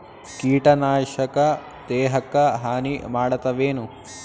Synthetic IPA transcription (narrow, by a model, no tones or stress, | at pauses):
kiːʈɐnaːʂɐkɐ | d̪eːɦɐkːɐɦaːnimaːɽɐt̪ːɐʋeːnu